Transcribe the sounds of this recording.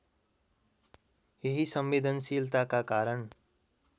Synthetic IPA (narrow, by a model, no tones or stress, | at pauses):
jeɦisʌmʋed̪ʱənsilt̪akakaɾəɳ